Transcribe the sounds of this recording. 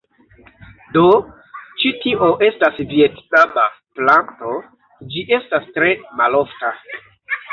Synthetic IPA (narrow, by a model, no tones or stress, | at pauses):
do | t͡ʃitiʔoʔe̞stasvietnaba | planto | d͡ʒiʔe̞stastɾe̞malofta